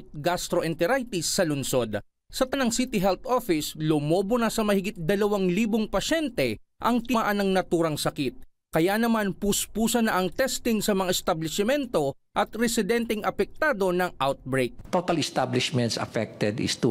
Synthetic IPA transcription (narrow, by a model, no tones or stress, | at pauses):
t̪̚ɡast̪ɾoʔɛnt̪ɛɾajt̪ɪsːɐlʊnso̞d̪ | sɐt̪ɐnaŋsit̪ɪɦɛlt̪ʔofɪslʊmoːbʊnɐsɐmɐhɪɡɪt̪̚d̪ɐlɐwaŋliːboŋpɐʃɛnt̪ɛʔɐŋt̪ɪaʔɐnɐŋnɐt̪uːɾɐŋsɐkit̪̚ | kɐjanɐmanpʊspuːsɐnɐʔɐŋt̪ɛst̪ɪŋsɐmɐŋaʔɛst̪ɐblɪsɪmɛnt̪o̞ | ʔɐt̪ɾɛsɪd̪ɛnt̪ɛŋɐpɛk̚t̪aːd̪o̞nɐŋʔawt̪̚bɾejk̚t̪ot̪ɐlɪst̪ablɪʃmɛ̃nt̪sɐ̰fɛk̚t̪ɛd̪ɪ̰st̪u